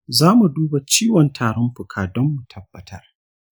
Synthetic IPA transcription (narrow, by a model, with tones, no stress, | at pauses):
zaː˦mu˨duː˦ba˨t͡ʃiː˦wɔ˨ntʰaː˨ɽɔ˦mɸʊ˨kʰaː˨dɔ˦mːu˨tʰɐ˦bːɐ˨tʰɐ˦r